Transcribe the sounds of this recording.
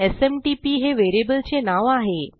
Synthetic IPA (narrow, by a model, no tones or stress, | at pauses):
esemʈipiːɦeʋeɾebəlt͡ɕenaʋaɦe